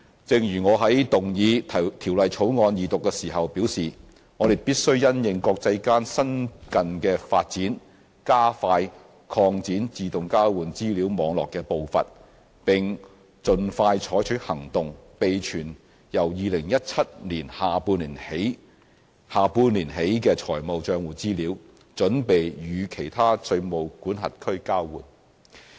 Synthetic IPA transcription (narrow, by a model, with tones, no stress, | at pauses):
t͡sɪ˨˧ŋjyː˨˩ŋɔː˨˧ɦɐ˨˥jt̪ʊ˨ŋjiː˨˧˨t̪ʰiː˨˩wlɐ˨jt͡ʃʰo˨˥wŋɔː˧njiː˨˧t̪ʊ˨kːɛː˧siː˨˩ɦɐ˨wpiː˨˥wsiː˨ | ŋɔː˨˧ɾe˨jpiː˥t̚sɵ˥ɥjɐ˥njɪ˨ŋkɔː˧k̚t͡sɐ˧jkaː˥nsɐ˥nkɐ˨nkɛː˧fa̰ː˧t̚t͡siː˨˥n | kaː˥faː˧j | kʰɔː˧ŋt͡siː˨˥nt͡siː˨t̪ʊ˨ŋkaː˥wwuː˨˧nt͡siː˥liː˨˥wmɔː˨˧˥ŋlɔ̰ː˨kːɛː˧po˨˧wfɐ̰˨t̚ | pɪ˨˩ŋ | t͡sɵ˨nfaː˧jt͡ʃʰɔː˨˥jt͡ʃʰɵ˨˥hɐ˨˩ŋt̪ʊ˨ŋpe˨jt͡ʃʰyː˨˩n | jɐ˨˩wjiː˧lɪ˨˩ŋjɐ˥t̚t͡sʰɐ˥t̚liː˨˩nhaː˨puː˧nliː˨˩nhe˨˥j | haː˨puː˧nliː˨˩nɦe˨˥jkɛː˧t͡ʃʰɔː˨˩jmo˨wt͡ʃœː˧ŋwuː˨˩t͡siː˥liː˨˥w | t͡ʃɵ˨˥npe˨jjyː˨˧kʰe˨˩jt̪ʰaː˥sɵ˧ɥmo˨˧wkuː˨˥nɦɐ̰˨˩t̚kʰɵ˥ɥkaː˥wwṵː˨˩n